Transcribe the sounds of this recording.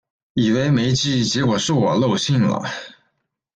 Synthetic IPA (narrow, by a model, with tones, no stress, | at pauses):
i˨˩we˧˥ɪme˧˥ɪt͡ɕi˥˩t͡ɕɛ˧˥kwɔ˨˩ʂɻ̩˥˩wɔ˨˩lo˥˧ʊɕi˥˩ŋlə̰˩